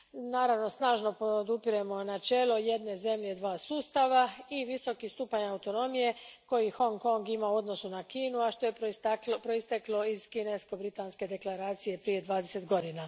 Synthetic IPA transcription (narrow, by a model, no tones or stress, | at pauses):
naːɾaʋno̞snaːʒno̞pod̪upiɾuemo̞nat͡ʃe̞ːlo̞je̞d̪ne̞ze̞mʎe̞d̪ʋaːsuːst̪aʋaiʋiso̞kist̪uːpaɲawt̪o̞no̞mije̞ko̞jixo̞ŋko̞ŋɡimauo̞d̪nosunakiːnuaʃt̪o̞jepɾo̞ist̪eklo̞iz̥kine̞sko̞bɾit̪anske̞d̪e̞klaɾaːt̪sije̞pɾije̞d̪ʋaːd̪ese̞t̪ɡo̞d̪ina